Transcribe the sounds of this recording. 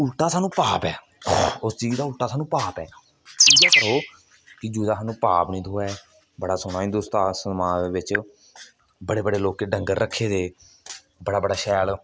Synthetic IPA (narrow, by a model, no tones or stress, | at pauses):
ʊlʈaːsaːnũːpaːpɛː | ʊst͡ʃiːd͡ʒd̪aːʊlʈaːsaːnũːpaːpɛː | t͡ʃiːd͡ʒaːkəɾoː | kɪd͡ʒuːd̪aːɦaːnũːpaːpnĩːd̪oːɛː | bəɽaːsʊɽ̃aːɦɪnd̪ʊːst̪aːsəmãːd̪eːʋɪt͡ʃ | bəɽeːbəɽeːloːkeːɖəŋɡəɾɾəkʰːeːd̪eː | bəɽaːbəɽaːʃɛːl